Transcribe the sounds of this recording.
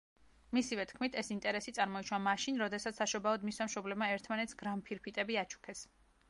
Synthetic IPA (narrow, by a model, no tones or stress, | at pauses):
misivɛt̪ʰkʰmit̪ʰɛsint̪ʼɛɾɛsit̪sʼaɾmɔiʃwamaʃinɾɔd̪ɛsat̪ssaʃɔbaɔd̪misamʃɔblɛbmaɛɾt̪ʰmanɛt̪sɡɾampʰiɾpʰit̪ʼɛbiat͡ʃʰu̥kʰɛs